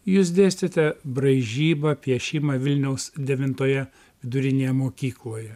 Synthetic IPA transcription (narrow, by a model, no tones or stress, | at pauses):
juːs̬d̪ʲeːsʲt̪ʲet̪ʲɛbɾɐɪʒʲiːbɐpʲiɛʃʲɪmɐʋʲɪlʲnʲɛʊsd̪ʲɛʋʲɪnt̪oːjɛ | ʋʲɪd̪ʊɾʲɪnʲeːjɛmoːkʲiːklˠoːjɛ